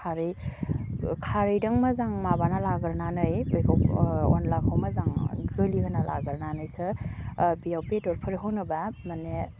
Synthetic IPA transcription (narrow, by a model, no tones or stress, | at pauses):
kʰaɾɯj | kʰaɾɯjdɐŋmazaŋmabanalaɡɯɾnanɯjbɯjkʰawɔ̰nlakʰawmazaŋɡɯlikʰɯnalʔa̰ɡɯɾnanɯjsɯ | bijawbedɔɾpʰɯɾɦownɯbamane